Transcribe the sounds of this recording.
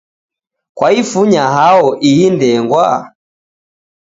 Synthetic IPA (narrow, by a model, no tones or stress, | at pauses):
kwaifuɲaɦaɔʔiindɛŋɡwa